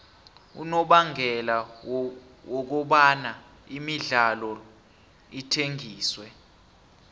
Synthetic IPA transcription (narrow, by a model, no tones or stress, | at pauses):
ṵnɔɓaŋʱɛla | wɔk̬ɔɓana | imiɮalɔ | itʰeŋʱiːswɛ